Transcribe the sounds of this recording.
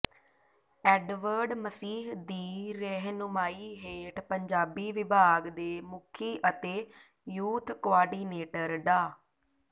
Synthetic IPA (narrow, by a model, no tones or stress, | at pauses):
ɛːɖʋəɾɖməsiːɦd̪iːɾeːɦnʊmaːiːɦeːʈpəɲd͡ʒaːbiːʋɪbʱaːɡd̪eːmʊkʰiːʔət̪eː | juːt̪ʰkoaːɖiːneːʈəɾɖ̪aː